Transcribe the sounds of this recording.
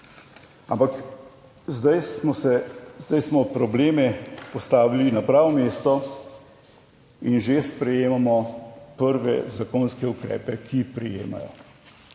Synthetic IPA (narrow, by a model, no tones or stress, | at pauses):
a̰mpak | zd̪ajsmɔsɛzd̪ajsmɔpɾɔbleːmɛpɔst̪aːʋilinapɾaːʋɔmeːst̪ɔ | inʒespɾɛjeːmamɔpəɾʋɛ̰zakoːnskɛukɾɛ̰ːpɛkʰipɾijḛːma̰jɔ̰